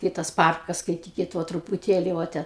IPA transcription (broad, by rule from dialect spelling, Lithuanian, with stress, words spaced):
ˈkɐɪ tɐs ˈpɐrkɐs skɐɪˈtʲiːkʲɪt ˈʋoː trʊpʊˈtʲeːlʲɪ ʋoː ˈtʲɛn